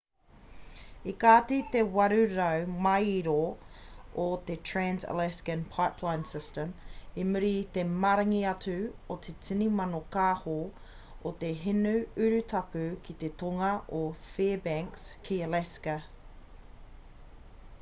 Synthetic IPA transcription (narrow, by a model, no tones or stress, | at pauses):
ikaːtit̪ewɐɾʉɾəwmajiɾo | ot̪etʰɹænzə̰lɛskə̃npʰaɪpʰlãɪ̃nsɪstəmimʉɾit̪emɐɾɐŋiɐtʰʉot̪ʰetʰinimɐnokaːho | ot̪eɦɪnʉʉɾʉt̪ʰɐpʉkʰit̪et̪ʰoŋɐʔofɛːbɛŋkskʰiəlɛskə